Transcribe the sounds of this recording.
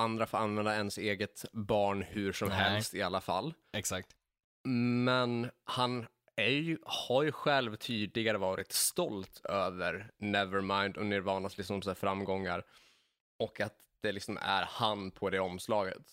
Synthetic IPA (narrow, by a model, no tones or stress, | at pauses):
and̪ɾafoːɾanvɛnd̪aɛnseːɡət̪bɑːɳhɵʂɔmhɛlst̪ɪalːafa̰lː | ɛksak̚t̪ | mɛnhan | æɾjhaɾjɵɧɛlvt̪ʰyːd̪lɪɡaɾəvɑːɾɪt̪st̪ɔlt̪ʰøːvəɾnɛvəɾmaɪnd̪ɔneːɾvɑːɳaslɪksɔmsɔsaːfɾamːɡɔŋːaɾ | ʔɔkat̪ | d̪̥ɛlɪksɔmæ̰ɾhanpʰɔd̪ɛɔmslɑːɡə̰t̪